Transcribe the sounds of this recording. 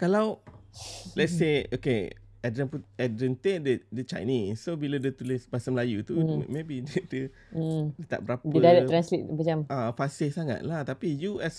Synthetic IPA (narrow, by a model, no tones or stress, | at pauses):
kalaw | lɛt̪̚seoke | ɛdɾə̃npuɛdɾənt̪edədət͡ʃa̰jnisːobilədət̪ulɪsbasəmlajut̪umebidədə | dət̪a̰ʔbəɾapiədalɛt̪ɾanslit̪̚bəd͡ʒamafasɪsaŋa̰t̪̚laht̪apijuɛs